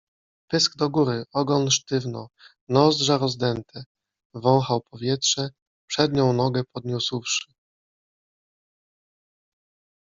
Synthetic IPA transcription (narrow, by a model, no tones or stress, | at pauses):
pɘsɡd̪ɔɡuɾɘʔɔɡɔnʂt̪ɘvnɔ | nɔzd̪ʐaɾɔzd̪ɛnt̪ɛ | vɔ̃w̃xawpɔvʲjɛtʂɛ | pʂɛd̪ɲɔ̃w̃nɔɡɛpɔd̪ɲuswfʂɘ̥